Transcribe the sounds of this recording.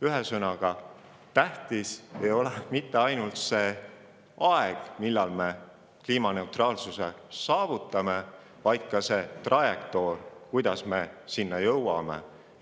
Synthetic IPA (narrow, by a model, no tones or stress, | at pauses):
yɦesɤnɑɡ̥ɑ | t̪æht̪ise̞jo̞lemit̪ːe̞ɑjnult̪se̞ | ɑeɡ̥milːɑlme̞ | kliːmɑne̞wt̪rɑːlsuse̞sɑːvut̪ˑːɑme̞ | vɑjd̪̥̚kɑse̞t̪rɑjekt̪o̞rkujd̪̥ɑsme̞sinːɑjɤwwɑme̞̰